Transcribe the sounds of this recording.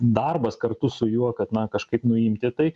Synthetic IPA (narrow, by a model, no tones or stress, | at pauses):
d̪ɐrbɐskɐrt̪ʊsʊjuɔkɐt̪nɐkɐʃkɐɪpnʊimʲt̪ʲɪt̪ɐɪ